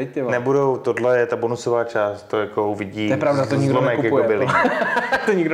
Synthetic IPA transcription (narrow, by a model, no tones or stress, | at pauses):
ɛc̚t̪ɛnɛbudowt̪odlɛjɛt̪abonusovaːt͡ʃaːst̪t̪ojakouvɪɟiːɛpɾavdat̪oɲɪɡlonmɛkukjakɛbɪlɪ | t̪oɲɪɡdo